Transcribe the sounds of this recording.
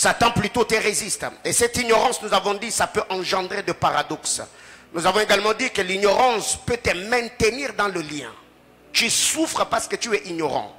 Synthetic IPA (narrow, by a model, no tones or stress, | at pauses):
sat̪ɑ̃plyt̪ot̪eʁezist̪esɛt̪iɲɔʁɑ̃snuzavɔ̃d̪isapøʔɑ̃ʒɑ̃d̪ʁed̪əpaʁad̪ɔks | nuzavɔ̃eɡalmɑ̃d̪ikəliɲɔʁɑ̃spøt̪əmɛ̃t̪əniʁd̪ɑ̃ləljɛ̰̃ | t̪ysufʁəpaʁsə̥kət̪yɛʔiɲɔʁɑ̰̃